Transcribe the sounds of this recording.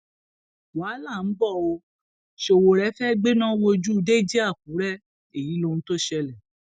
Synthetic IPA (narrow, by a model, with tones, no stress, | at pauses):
waː˨˦la˦˨n̩˨˦bɔ˦˨o˧ | ʃo˧˨wo˧ɾɛ˦fɛ˦ɡ͡be˦nã˦wo˧d͡ʒu˦˧de˦d͡ʒi˦a˦˨k̚ũ˨˦ɾɛ˦˨ | e˨ji˨˦lo˧ñ̩˦to˦ʃɛ˧lɛ˨